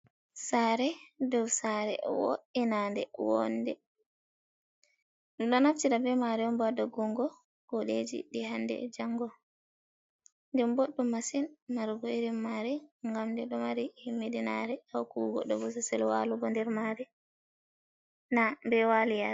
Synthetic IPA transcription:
saɾɛdɔwsaɾɛ̰wo̰ʔinandɛwɔ̰ndɛ | ɗɔɗɔnaftiɗabɛmaɾɛɔmbadɔɡuŋɡɔ | kɔɗed͡ʒḭɗihandɛ̰d͡ʒaŋɡɔ | ndɛmbɔɗːɔmasinmaɾɡɔiɾimːaɾɛŋɡamdɛɗɔmaɾihimːedina̰ɾɛawkuuɡɔ̰ɗːɔbɔs̬asɛlwa̰luɡɔndɛɾmaɾɛ | nambɛwalija

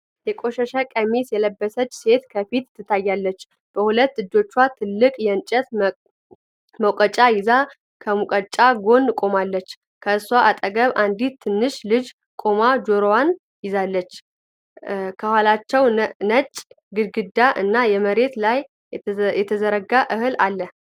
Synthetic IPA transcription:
jɛkʼo̞ʃɛʃakʼəmisjɛləbːəsət͡ʃʼːse̞t̪kʰəfit̪ːɨt̪ʰːajːalːət͡ʃː | b̥əhulət̪ːɨd͡ʒ̪ːo̞t͡ʃːwat̪ʰɨlːɨkʼjɛnt͡ʃʼət̪ | məwkʼət͡ʃʼajɪza | kʰəmukʼət͡ʃʼaɡo̞nkʼo̞malːət͡ʃː | kʰəɨswaʔat̪ʼəɡəβʔand̪it̪ʰːɨnːɨʃlɨd͡ʒ | kʼo̞mad͡ʒo̞ɾowan | jɪzalːət͡ʃː | kʰəhwalat͡ʃːɛwnət͡ʃʼ | ɡɨɡɨd̪aʔɨnːajɛməɾe̞t̪laj | jɛt̪ʰəzəɾəɡaʔɨhɨlalːə

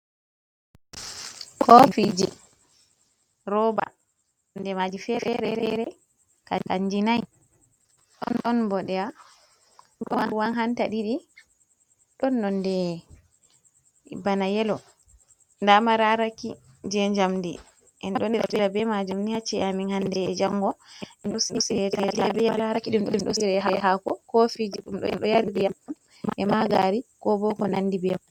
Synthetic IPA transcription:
kʰɔfid͡ʒi | ɾɔba̰ | ndɛmad͡ʒifɛfɛɾɛɾɛɾɛ | ka̰kaɲd͡ʒinaj | ɗɔ̰nɗɔnbɔɗɛa | ɗɔwawanɦantaɗiɗi | ɗɔnːɔndɛ | banajɛlɔ | ndamaɾaɾaki | d͡ʒɛɲd͡ʒamdi | ʔɛnɗɔnɾabɛɾabɛmad͡ʒumnihat͡ʃːiɛaminhandɛɛd͡ʒaŋɡɔɛnɗɔsiɗɔsiɾɛtaabɛjaɾaɾakiɗumɗɔmɗɔsiɾɛɦaɦakɔkɔfid͡ʒiɗumɗɔ̰mɗɔjaɾdijamɗum | ʔɛmaɡaɾikɔbɔkɔnanːdibɛm

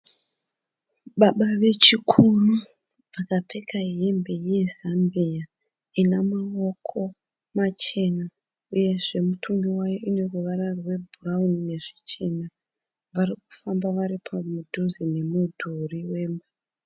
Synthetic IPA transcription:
ɓaɓaʋe̞t͡ʃikʰuru | ʋakape̞kaembe̞ije̞zambia | inamao̞kʰo̞ | mat͡ʃe̞na | uje̞ʐe̞mutʰumɡiwajoʔine̞ruʋaɾarwe̞bʱuraunine̞ʐi̥t͡ʃena | ʋaɾiku̥fambaʋaɾipʰamudʱuzine̞mudʱuriwe̞ːmba

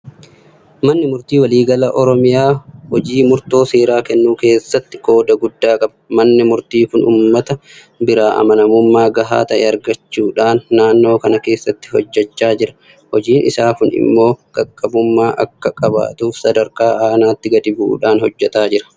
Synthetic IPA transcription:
mɐnːɪmʊɾt̪iːwɐliːɡɐlɐʔɔɾɔmɪjaːhɔd͡ʒiːmʊɾt̪o̞ːseːɾaːkɛnːuːke̞ːsːɐt̪ːɪ̥ko̞ːd̪ɐɡʊd̪ːaːkʼɐbɐ̥mɐnːɪmʊɾt̪iːkʊnṵːmːɐt̪ɐ | bɪɾaːʔɐ̰mɐnɐmʊmːaːɡɐɦa̰ːt̪ɐʔɛ̰ɐɾɡɐt͡ʃːuːᶑaːnːaːnːo̞ːkɐnɐke̞ːsːɐt̪ːɪ̥hɔd͡ʒːɛt͡ʃːaːd͡ʒɪɾɐ̥ | hɔd͡ʒiːnʔɪ̰saːkʊnɪ̰mːo̞ːɡ̥ɐkʼːɐbʊmːaːʔɐkːɐkʼɐba̰ːt̪uːfsɐd̪ɐɾkaːaːnaːt̪ːɪɡɐd̪ɪbʊʔṵːᶑaːnhɔd͡ʒːɛt̪aːd͡ʒɪɾɐ̥

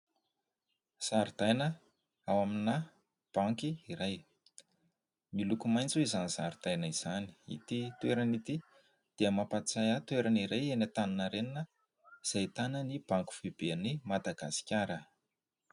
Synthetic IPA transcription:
saɾid̪̥ajnə | awamina | b̥aŋkiiɾaj | milukumajnt͡suizanizaɾd̪̥ajnəiz̥ani̥ḭt̪it̪uweɾanit̪i | d̪̥eəmapat͡sajat̪weɾaniɾajenat̪ananaɾeninə | iz̥ajt̪anənib̥aŋku̥fibenimad̪aɡasi̥kʲaɾə

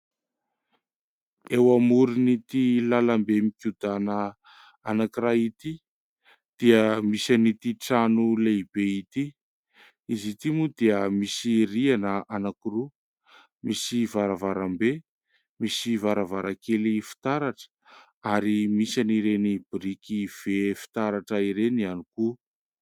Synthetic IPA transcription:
ewamuɾunit̪ilalambemikʲud̪anə | anakiɾait̪i | d̪̥iəmisanit̪iʈ͡ʂanuleibeit̪i | izit̪imud̪iəmisirianəʔanakuru | misivaɾavaɾambe | misivaɾavaɾakelifi̥t̪aɾaʈ͡ʂə̥ | aɾimisaniɾenibiɾikiv̥efi̥t̪aɾaʈ͡ʂəiɾenianiku

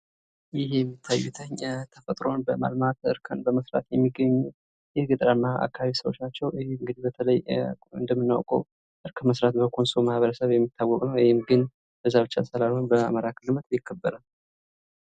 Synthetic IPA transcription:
jɪhjɛmːit̪ʰːajːut̪ʰəɲt̪ʰəfət̪ʼɾo̞nbəma̰lmat̪ɨ̰ɾkʰənbəməsɾa̰t̪jɛmːiɡːəɲːu | jɛɡɨt̪ʼɾamːaʔa̰kːaβaβisəβwo̞̰t͡ʃːnat͡ʃːɛwheɨŋɡɨd̪ibət̪ʰələjɨ̰nd̪əmːɨnːa̰wkʼə̰w | ʔɨɾkʰəməsɾat̪bəkʰo̞nsomahβəɾəsəβjɛmːit̪ʰːawːɔkʼnəwwɔhɪmɡɨn | b̥əzːaβɨt͡ʃːa̰səlalhonbəa̰məɾakʰɨlɨmət̪ɪkːəbːəɾal

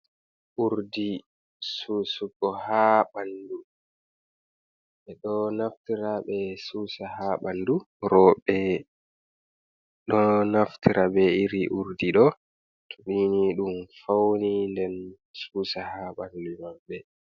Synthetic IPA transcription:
ʔuɾdi | susuɡɔhaɓandu | ɓɛɗɔnaftiɾaɓɛsuːsahaɓandu | ɾɔɓɛ | ɗɔnaftʰiɾʔabɛiɾiʔuɾdiɗɔ | tʰuɓiniɗumfawnindɛn | suːsahaɓandumabːɛ

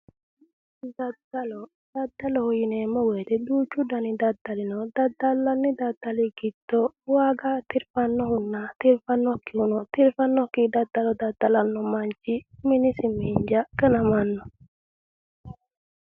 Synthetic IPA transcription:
d̪ɐd̪ɐlɔ | d̪̥ɐd̪ːɐlɔhʊjɪnɛmːɔwɛt̪ɛd̪uːt͡ʃːud̪ɐnid̪ɐd̪ːalɪnɔd̪ɐd̪alːɐnːɪd̪ɐd̪̥alɪɡɪd̪̥ɔwaːɡat̪ɪɾfɐnːɔhʊnːat̪ɪɾfɐnːɔkːɪhunɔt̪ɪɾfɐnːɔkːid̪ɐd̪̥ːalɔd̪ad̪̥alanːɔmant͡ʃimɪnɪsɪmiɲd͡ʒaɡɐnɐmanːɔ

